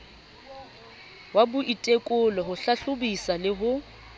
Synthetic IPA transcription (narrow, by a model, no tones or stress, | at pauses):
wabʊʔitʼekʼʊlɔɦʊɬaɬʊbisalɪɦʊ